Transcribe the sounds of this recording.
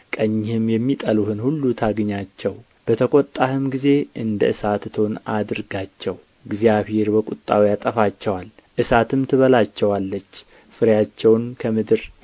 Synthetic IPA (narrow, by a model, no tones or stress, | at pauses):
kʼəɲːhɨmjɛmːit̪ʼəluhɨnhulːut̪ʰaɡɲat͡ʃːɛw | b̥ət̪ʰəkʷʼɔt̪ʼːahɨmɡize̞ʔɨnd̪əʔɨsat̪t̪ʰo̞nad̪ɨɾɡat͡ʃːɛw | ɡzijaβhe̞ɾbəkʼut̪ʼːawjat̪ʼəfat͡ʃːɛwal | ʔɨsat̪ʰɨmt̪ʰɨβəlat͡ʃːɛwalːət͡ʃː | fɨɾjat͡ʃːɛwnkʰəmɨd̪ɨɾ